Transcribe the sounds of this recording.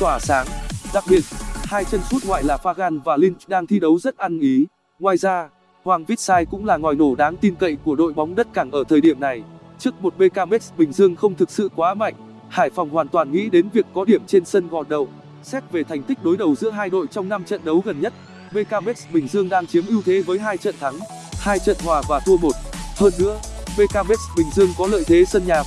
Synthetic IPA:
t̪waː˧˩saː˨˦ŋɗa˨˩k̚ɓi˨˩ət̚haː˧jt͡ɕə˧nsu˦˥t̚ŋwa̰ː˧˨jlaː˨˩faː˧ɣaː˧nvaː˨˩li˧n̚˦˥ɗaː˧ŋt̪ʰi˧ɗə˨˦wzə˦˥t̚ʔa˧nʔi˨˦ | ŋwaː˧jzaː˧ | hwaː˧˩ŋvi˦˥t̚saː˧jkʊ̰˧˥ŋ͡mlaː˨˩ŋɔː˨˩jno˧˩ɗaː˨˦ŋt̪i˧nkə̰˧˨jku˧˩əɗo̰˧˨jɓa˨˦wŋ͡mɗə˦˥t̚kaː˧˩ŋʔəː˧˩t̪ʰəː˨˩jɗi˧˩əmna˨˩j | t͡ɕɨ˦˥ək̚mo˨˩t̚ɓe˧kaː˧mɛ˦˥tsɓï˨˩ŋ̟zɨ˧əŋxə˧wŋ͡mt̪ʰɨ˨˩k̚sɨ̰˧˨kwaː˨˦ma̰˧˨jŋ̟ | haː˧˩jfɔ˨˩wŋ͡mhwaː˨˩nt̪waː˨˩nŋḭ˧˥ɗe˨˦nvi˨˩əkːɔ˨˦ɗi˧˩əmt͡ɕe˧nsə˧nɣɔ̰˨t̚ɗə̰˧˨w | sɛ˦˥p̚ve˨˩t̪ʰa˨˩jŋ̟t̪i˦˥k̟̚ɗo˨˦jɗə˨˩wzɨ̰˧˥əɦaː˧jɗo̰˧˨jt͡ɕɔ˧wŋ͡mna˧mt͡ɕə̰˧˨nɗə˨˦wɣə˨˩nɲə˦˥t̚ | ɓe˧kaː˧mɛ˦˥t̚sɓï˨˩ŋ̟zɨ˧əŋɗaː˧ŋt͡ɕi˨˦mʔi˧əwt̪ʰe˨˦vəː˨˦jɦaː˧jt͡ɕə̰˧˨nt̪ʰa˨˦ŋhaː˧jt͡ɕə̰˧˨nhwaː˨˩vaː˨˩t̪ʰu˧əmo˨˩t̚həː˧nːɨ̰˧˥əɓe˧kaː˧me˦˥t̚sɓï˨˩ŋ̟zɨ˧əŋkɔ˨˦lə̰ː˧˨jt̪ʰe˨˦sə˧nɲaː˨˩

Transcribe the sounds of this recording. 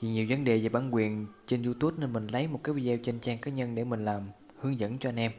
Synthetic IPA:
i˨˩ɲi˨˩wvə˨˦nɗe˨˩veː˨˩ɓaː˧˩nkwi˨˩ənt͡ɕe˧nzu˧t̪u˦˥p̚neː˧nmï˨˩ŋ̟lə˨˦jmo˨˩t̚kaː˨˦˥j̚vi˧zɛ˧wt͡ɕe˧nt͡ɕaː˧ŋkaː˨˦ɲə˧nɗe˧˩mï˨˩ŋ̟laː˨˩m | hɨ˨˦əŋzə̰˧˥nt͡ɕɔ˧ʔa˧nʔɛ˧m

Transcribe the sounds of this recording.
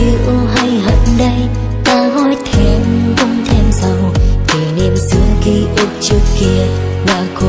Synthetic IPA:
ɨ˨˧ʔo˧ɦə˧jɦə̰˧˨nɗə˧j | t̪aː˧ɦɔ˧jt̪ʰe˧mvə˧ŋ͡mt̪ʰe˧mza˧˩wt̪ʰe˨˩ni˧əmsɨ˨˦əŋki˧˦ʔu˧˩p̚t͡ɕɨ˧˦ki˧ə | laː˨˩ko˧

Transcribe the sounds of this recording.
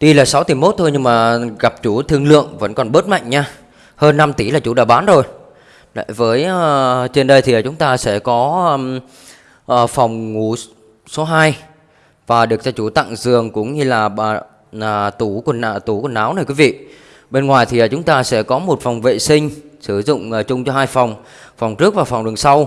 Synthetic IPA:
t̪i˧laː˨˩sa˨˦wt̪i˧˩mo˦˥t̚t̪ʰo˧jɲɨ˧ŋmaː˨˩ɣa˨˩p̚t͡ɕu˧˩˦t̪ʰɨ˧əŋlɨ̰˧˨əŋvə̰˧˥nkɔ˨˩nɓəː˦˥t̚ma̰˧˨jŋɲaː˧ | həː˧nːa˧mt̪i˧˩laː˨˩t͡ɕu˧˩˦ɗa̰ː˧˩ɓaː˨˦nzo˨˩j | la̰˧˨jvəː˨˦jə˨˩t͡ɕe˧nɗə˧jt̪ʰi˨˩a˨˩t͡ɕʊ˨˦ŋ͡mt̪aː˧sɛ̰˧˥kɔ˨˦ə˧ | ʔəː˧˩fa˨˩wŋ͡mŋu˧˩ | so˨˦ɦaː˧j | vaː˨˩ɗɨ˨˩ək̚za˧t͡ɕu˧˩t̪a̰˧˨ŋzɨ˨˩əŋkʊ̰˧˥ŋ͡mɲɨ˧laː˨˩aː˨˩ | ə˨˩t̪u˧˩ku˧˩ənː˨˩t̪u˧˩kwnːʔaː˨˦wna˨˩jkwi˨˦vḭ˧˨ | ɓe˧nŋwaː˨˩jt̪ʰi˨˩aː˨˩t͡ɕʊ˨˦ŋ͡mt̪aː˧sɛ̰˧˥kɔ˨˦mo˨˩t̚fɔ˨˩wŋ͡mvḛ˧˨sï˧ŋ̟sɨ˧˩zʊ̰˧˨ŋ͡mːt͡ɕʊ˧ŋ͡mt͡ɕɔ˧ɦaː˧jfa˨˩wŋ͡m | fɔ˨˩wŋ͡mt͡ɕɨ˦˥ək̚vaː˨˩fɔ˨˩wŋ͡mɗɨ˨˩əŋsa˧w

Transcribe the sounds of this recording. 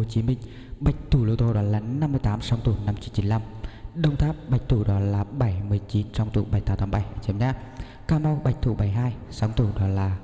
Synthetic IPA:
t͡ɕi˨˦mï˧ŋ̟ | ɓa˨˩jk̟̚t̪ʰu˧˩lu˧˩t̪o˧ɗɔ˨˦laː˨˩na˧mːɨ˧əjt̪aː˨˦msa˨˧˦wŋ͡mt̪u˧˩na˧mt͡ɕi˨˦nt͡ɕi˨˦nla˧mɗə˧wŋ͡mt̪ʰaː˦˥p̚ɓa˨˩jk̚t̪ʰu˧˩ɗɔ˨˦laː˨˩ɓa˧˩jmɨ˨˩əjt͡ɕi˨˦nt͡ɕɔ˧wŋ͡mt̪ṵ˧˩ɓa˧˩jt̪aː˨˦t̪aː˨˦mɓa˧˩jʔəː˧˩t͡ɕi˧˦ɲaː˦˥ | kaː˧ma˧wɓa˨˩jk̚t̪ʰṵ˧˩ɓa˧˩jɦaː˧jsa˨˦wŋ͡mt̪u˧˩ɗɔ˨˦laː˨˩

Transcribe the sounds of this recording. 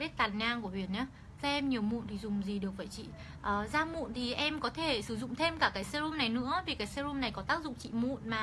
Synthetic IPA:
i˦˥t̚t̪aː˨˩nɲaː˧ŋku˧˩əvi˧˩ənɲaː˨˦ | zaː˧ʔɛ˧mɲi˨˩əwmṵ˧˨nt̪i˨˩zʊ˨˩ŋ͡mzi˨˩ɗɨ˨˩ək̚və̰˧˩jt͡ɕḭ˧˨ | ʔəː˨˩zaː˧mṵ˧˨nt̪ʰi˨˩ʔɛ˧mkɔ˨˦t̪ʰe˧˩sɨ˧˩zʊ̰˧˨ŋ͡mt̪ʰe˧mkaː˧˩kaː˨˦jsɛ˧ɾu˧mna˨˩jnɨ̰˧˥əvi˨˩kaː˨˦jsɛ˧u˧mna˨˩jkɔ˨˦t̪aː˦˥k̚zʊ̰˧˨ŋ͡mt͡ɕḭ˧˨mṵ˧˨nmaː˨˩

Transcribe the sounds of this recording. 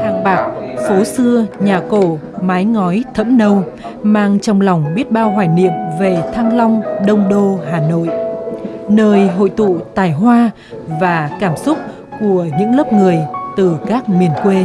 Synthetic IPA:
taː˨˧˩ŋɓaː˨˩k̚fo˨˦sɨ˧əɲaː˨˩ko˧˩ | maː˨˦jŋɔ˨˦jt̪ʰə̰˧˥mnə˧w | maː˧ŋt͡ɕɔ˧wŋ͡mlɔ˨˩wŋ͡mɓi˦˥t̚ɓaː˧wɦwaː˧˩jnḭ˧˨əmve˨˩t̪ʰaː˧ŋla˧wŋ͡mɗə˧wŋ͡mɗo˧haː˨˩no̰˧˨j | nəː˧jɦo̰˧˨jt̪ṵ˧˨t̪aː˨˩jɦwaː˧ | vaː˨˩kaː˧˩msʊ˦˥k͡p̚ | ku˧˩əɲɨ̰˧˥ŋləː˦˥p̚ŋɨ˨˩əjt̪ɨ˨˩kaː˦˥k̚mi˨˩ənkwe˧

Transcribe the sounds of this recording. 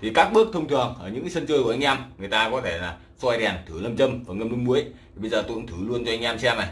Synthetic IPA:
t̪ʰi˨˩kaː˦˥k̚ɓɨ˦˥ək̚t̪ʰə˧wŋ͡mt̪ʰɨ˨˩əŋʔəː˧˩ɲɨ̰˧˥ŋ˦sə˧nt͡ɕəː˧jkʔjŋ̟ʔɛ˧mŋɨ˨˩əjt̪aː˧kɔ˨˦t̪ʰe˧˩laː˨˩ | swɔ˧jɗɛ˨˩nt̪ʰɨ˧˩lə˧mt͡ɕə˧mvəː˨˩ŋə˧mlnmu˨˦əj̪ʰi˨˩ɓə˧jzəː˨˩t̪ɨ̰˧˨ŋt̪ʰɨ˧˩lu˧ənt͡ɕɔ˧ʔa˧ŋ̟ʔɛ˧msɛ˧mna˨˩

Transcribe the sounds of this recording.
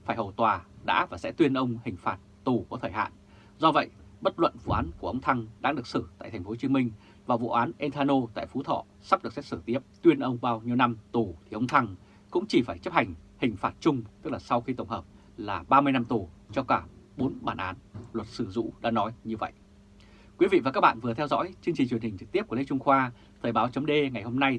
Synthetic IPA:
faː˧˩jhə˨˩wt̪waː˨˩ɗa̰ː˧˥vaː˨˩sɛ̰˧˥t̪wi˧ənʔə˧wŋ͡mhï˨˩ŋ̟faː˨˩t̚t̪u˨˩ku˧˩t̪ʰəː˧˩jha̰ː˧˨n | zɔ˧və̰˧˨jɓə˦˥t̚lə̰˧˨nvṵ˧˩ʔaː˨˦nku˧˩əʔə˧wŋ͡mt̪ʰa˧ŋɗa̰ː˧˥ɗɨ˨˩ək̚sɨ˧˩t̪a̰ː˧˨jt̪ʰŋ̟fo˨˦t͡ɕi˨˦əmï˧ŋ̟ | vaː˨˩wvṵ˧˨ʔaː˨˦nʔe˧nt̪ʰaː˧no˧t̪a̰ː˧˨jfu˨˦t̪ʰɔ̰˧˨ | sa˦˥ɗɨ˨˩ək̚sɛ˦˥t̚sɨ˧˩t̪i˦˥əp̚t̪wi˧ənʔə˧wŋ͡mɓaː˧wɲi˧əwna˧mt̪u˨˩t̪ʰi˨˩ʔə˧wŋ͡mt̪ʰa˧ŋ | kʊ̰˧˥ŋ͡mt͡ɕi˧˩faː˧˩jt͡ɕə˦˥p̚ha˨˩jŋ̟hï˨˩ŋ̟faː˨˦˩t̚t͡ɕʊ˧ŋ͡mt̪ɨ˦˥k̚laː˨˩sa˧wxi˧t̪ə˧˩wŋ͡mhəː˨˩p̚ | laː˨˩ɓaː˧mɨ˧jna˧mt̪u˨˩t͡ɕɔ˧kaː˧˩ɓo˨˦nɓaː˧˩nʔaː˨˦nlwə˨˩t̚sɨ˧˩zṵ˧˥ɗa̰ː˧˥nɔ˨˦jɲɨ˧və̰˧˨j | kwi˨˦vḭ˧˨vaː˨˩a˦˥ɓa̰ː˧˨nvɨ˨˩ət̪ʰɛ˧wzɔ̰˧˥jt͡ɕɨ˧əŋt͡ɕi˨˩t͡ɕwi˨˩ənhï̟˨˩t͡ɕɨ˨k̚t̪i˦˥əp̚kli˧˥t͡ɕʊ˧ŋ͡mxwaː˧ | t̪ʰəː˨˩ɓaː˨˦wt͡ɕə˨˦ŋ͡mɗe˧ŋa˨˩jho˧mna˧j

